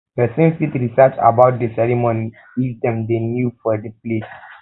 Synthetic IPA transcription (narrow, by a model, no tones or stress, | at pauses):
bɛsẽnfitɾisat͡ʃa̰baʊt̚dəsɛɹimoni | idɛ̃mdenjufɔdəples